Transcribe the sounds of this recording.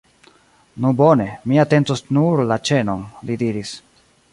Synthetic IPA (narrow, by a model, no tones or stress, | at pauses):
nubo̞ne̞miate̞ntosnuɾlat͡ʃe̞no̞nlidiɾis